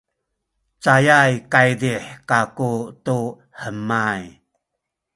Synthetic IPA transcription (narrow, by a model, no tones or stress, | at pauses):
t͡sajajkajdiħkakutu | ħəmaj